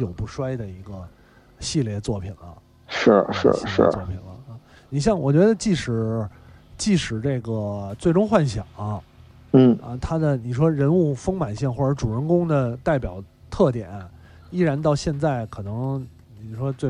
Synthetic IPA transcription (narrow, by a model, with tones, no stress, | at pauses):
jo˨˩ʊpu˥˩ʂwa˥ɪd̪ə˨i˧˥ɡə˧ | ɕi˥˧ljɛ˥˧t͡swɔ˥˩pʰi˨˩nlə̰˦ | ʂɻ̩˥˩ʂɻ̩̰˥˩˥ʂɻ̩˥˧˩wɔ˥˩pʰḭ˨˩nlə̰˦˧ | ni˨˩ɕ̬jɑ˥˩ŋwɔ˨˩t͡ɕɥɛ˧˥d̪ə˧t͡ɕi˥˩ʂɻ̩˨˩ | t͡ɕi˥˩ʂɻ̩˨˩ʈ͡ʂe˥˩ɡə˩t͡swe˥˩ɪʈ͡ʂʊ˥ŋxwa˥˩nɕjɑ˨˩˦ŋɐ˥ | n̩˥˩ɐ˧t̪ʰa˥d̪ə˨ni˨˩ʂwɔ˥ɻə˧˥nu˥˩fɤ˥ŋma˨˩nɕi˥˧ŋxwɔ˥˩ə˞˧˥ʈ͡ʂu˨˩ə˧˥nkʊ˥ŋd̪ə˨t̪a˥˩ɪpjɑ˨˩ʊ | t̪ʰɤ˥˩t̪jɛ̰˨˩˦nɐ˦˩ | i˥˩ɻa˧˥nt̪ɑ˥˧ʊɕjɛ˥˧nt͡sa˥˩ɪkʰɤ˨˩nɤ˧˥ŋ | ni˨˩ʂwɔ˥t͡swe˥˧